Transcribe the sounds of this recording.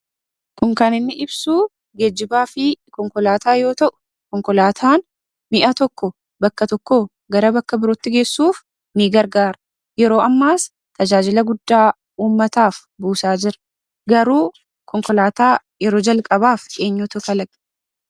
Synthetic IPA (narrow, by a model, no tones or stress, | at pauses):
kʊŋkɐnɪnːɪʔɪbsuː | ɡed͡ʒːɪbaːfɪkɔŋkɔlaːt̪aːjo̞ːt̪ɐʔʊ̥ | kɔŋkɔlaːt̪ʰaːn | mɪʔɐt̪ɔkːɔ | bɐkːɐt̪ɔkːoː | ɡɐɾɐbɐkːɐbɪɾɔt̪ːɪɡe̞ːsːuːf | niːɡɐɾɡaːɾɐ | jɛɾo̞ːʔɐmːaːs | t̪ɐd͡ʒaːd͡ʒɪlɐɡʊd̪ːaː | uːmːɐt̪aːf | buːsaːd͡ʒɪɾɐ | ɡɐɾuː | kɔŋkɔlaːt̪aː | jɛɾo̞ːd͡ʒɐlkʼɐbaːfe̞ːɲːuːt̪ʊkɐlɐɡ